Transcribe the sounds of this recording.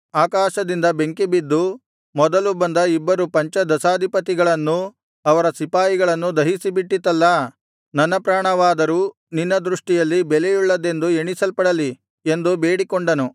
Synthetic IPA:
aːkaːʃɐd̪ind̪ɐbe̞ŋkibid̪ːu | mɔd̪ɐlubɐnd̪ɐibːɐɾupɐɲt͡ʃɐd̪ɐsaːd̪ʱipɐt̪̬iɡɐɭɐnːu | ɐʋɐɾɐsipaːjiɡɐɭɐnːud̪ɐɦisibiʈːit̪ːɐlːɐ | nɐnːɐpɾaːɳɐʋaːd̪ɐɾuː | ninːɐd̪ɾuʂʈijɐlːibɛlejuɭːɐd̪e̞nd̪ueɳisɐlpɐɽɐli | e̞nd̪ube̞ːɽikoɳɖɐnu

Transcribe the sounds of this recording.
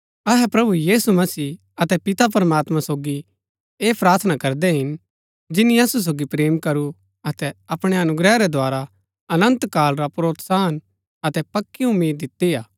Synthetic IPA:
ɐɦɛpɾɐbujiːsumɐsiː | ɐt̪ɛpɪt̪ap̬ɐɾmaːt̪mãsoːɡi | eːpɾaːɾt̪ʰnakɐɾd̪ɛɦɪn | d͡ʒɪnĩɐsus̬oːɡipɾeːmkɐɾu | ɐt̪ɛɐpɽ̃ɛɐnʊɡɾɛaɾɛd̪ʱoaːɾa | ɐnɐ̃nt̪kaːlɾapɾoːt̪saːn | ɐt̪ɛpɐkːiʊmːiːd̪ːɪt̪ːijaː

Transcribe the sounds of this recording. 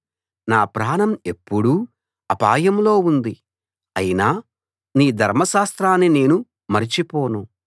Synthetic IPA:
naːpɾaːɳɐme̞pːuɽu | ɐpaːjɐmlo̞ːund̪i | ɐ̰jinaː | niːd̪ʱɐɾmɐʃaːst̪ɾaːnːine̞ːnu | mɐɾit͡ʃipɔːnu

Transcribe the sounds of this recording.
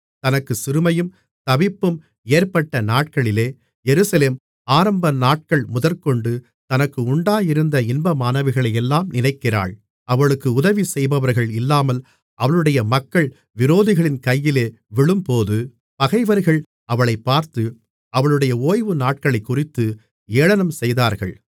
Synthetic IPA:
t̪ɐnɐkːɯsɪɾɯmɐjɯm | t̪ɐbɪpːɯm | eːɾpɐʈːɐnaːʈ̚kɐɭɪleː | jɛɾɯsɐleːm | aːɾɐmbɐnaːʈ̚kɐɭmʊðɐɾkɔɳɖɯ | t̪ɐnɐkːɯʊɳɖaːjɪɾɯnd̪ɐɪnbɐmaːnɐʋɪɣɐɭɐjɛlːaːmnɪnɐɪkːɪra̰ːɭ | ɐʋɐɭɯkːɯʊðɐʋisɛjbɐʋɐɾɣɐɭɪlːaːmɐl | ʔɐʋɐɭɯɽɐjɐmɐkːɐɭ | ʋɪɾoːðɪɣɐɭɪnkɐjːɪleː | ʋɪɭɯmpoːðɯ | pɐɣɐɪʋɐɾɣɐɭ | ɐʋɐɭɐɪpːaːɾt̪ɯ | ɐʋɐɭɯɽɐjɐoːjʋɯnaːʈ̚kɐɭɐɪkːʊrɪt̪ːɯ | eːɭɐnɐmsɛjðaːɾɣɐ̰ɭ

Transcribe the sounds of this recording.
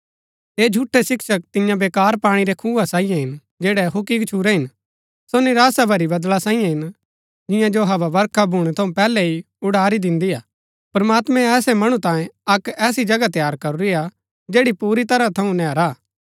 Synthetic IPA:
eːd͡ʒʱuːʈʰːɛsɪkʃək̚t̪ɪ̃jãbeːkaːɾpaːɽ̃iɾɛkʰuːʋasãːɪjãɦɪn | d͡ʒeːɽɛɦʊkikt͡ʃʰuːɾɛɦɪn | sonɪɾaːsabʱɐɾibɐd̪lasãːĩjãɦɪn | d͡ʒɪ̃jãd͡ʒoɦɐʋaʋɐɾkʰabʱuɽ̃ɛt̪ʰɐũpɛːlɛi | ʊɽaːɾid̪ɪ̃nd̪ijaː | pɐɾmaːt̪mɛ̃ːsɛmɐɽ̃ũt̪ãːjẽɐkɛːsid͡ʒɐɡat̪jaːɾkɐɾuɾia | d͡ʒeːɽipuːɾit̪ɐɾãt̪ʰɐũnɛːɾaː

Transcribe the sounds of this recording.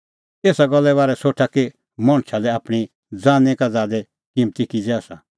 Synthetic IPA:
eːsaɡɔlːɛbaːɾɛsoʈʰake | mɔ̃ɽ̃t͡ʃʰalɛapɽ̃i | d͡zãːnekad͡zaːd̪ɛ | kimt̪ikid͡zɛasa

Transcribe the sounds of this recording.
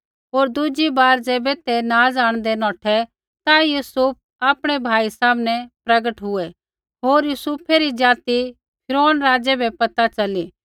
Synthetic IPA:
ɦoːɾd̪ʊd͡ʒibaːɾd͡ʒɛːbɛt̪enaːd͡zaːɽ̃d̪ɛnɔ̃ːʈʰɛ | t̪ajuːsʊp̚ʰ | aːpɽ̃ɛbʱaːisaːmnɛpɾɐɡəʈɦʊɛ | ɦoːɾjuːsupʰɛɾid͡ʒaːt̪i | pʰɪɾoːnɾaːd͡ʒɛbʱɛpɐt̪at͡ʃɐliː

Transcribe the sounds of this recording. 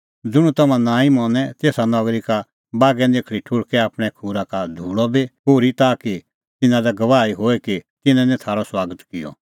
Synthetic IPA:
d͡zʊɽ̃ũt̪ɐmãnãːĩmɔːnɛt̪eːsanɔɡɾika | baːɡɛ̃d̪eːkʰɽiʈʰʊɽkɛaːpɽ̃ɛkʰuːɾakad̪ʱuːɽɔbipoːɾit̪aːki | t̪ɪnãlɛɡɐʋaːiɦoːɛkit̪ɪnɛ̃nɛ̃t̪ʰaːɾɔswaːɡət̪kɪjɔ̰

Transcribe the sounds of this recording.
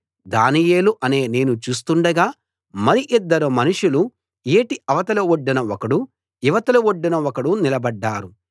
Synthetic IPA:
d̪aːnije̞ːluʔɐne̞ːne̞ːnut͡ʃuːs̬t̪uɳɖɐɡaː | mɐɾiʔid̪ːɐɾumɐnuʂulu | eːʈiɐʋɐt̪ɐlɐoɖːinɐɔkɐɽu | iʋɐt̪ɐlɐoɖːinɐɔkɐɽunilɐbɐɖːaːɾu

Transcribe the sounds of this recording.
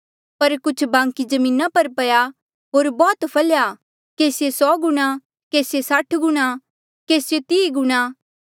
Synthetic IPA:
pɐɾkʊt͡ʃʰbãːŋkid͡ʒɐmĩːnapɐɾpɐja | ɦoːɾbɔːt̪pʰɐlja | keːsjesɔːɡʊɽ̃ã | keːsjesaʈʰɡʊɽ̃a | keːsjot̪iːiɡʊɽ̃aː

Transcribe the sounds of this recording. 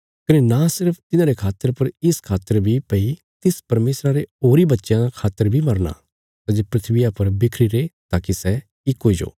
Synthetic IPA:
kɐnenasɪɾəpʰt̪ɪnãɾekʰaːt̪ːəɾpɐɾɪskʰaːt̪ːəɾbʱipɐi | t̪ɪspɐɾmeːsɾaɾeoːɾibɐtːʃjãd̪akʰaːt̪ːəɾbʱimɐɾna̰ | t̪ad͡ʒepɾɪt̪ʰʋɪjapɐɾbɪkʰɾiɾeːt̪aːkisɛ | ɪkɦoːid͡ʒo̰ː

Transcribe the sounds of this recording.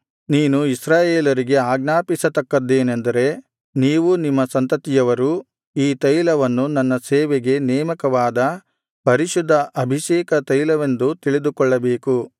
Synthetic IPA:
niːnuisɾaːjeːlɐɾiɡe̞aːɡ̚naːpisɐt̪ɐkːɐd̪ːeːnend̪ɐɾe̞ | niːʋunimːɐsɐnt̪ɐt̪ijɐʋɐɾu | iːt̪ɐjlɐʋɐnːunɐnːɐseːʋeɡe̞nɛːmɐkɐʋaːd̪ɐ | pɐɾiʃud̪ʱːɐʔɐbʱiʃɛːkɐt̪ɐjlɐʋend̪ut̪iɭid̪ukɔɭːɐbe̞ːku

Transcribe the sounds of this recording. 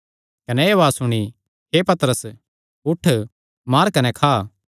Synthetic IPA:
kɐnɛeʋaːsʊɽ̃i | ɦepɐt̪əɾəs | ʊʈʰ | maːɾkɐnɛkʰaː

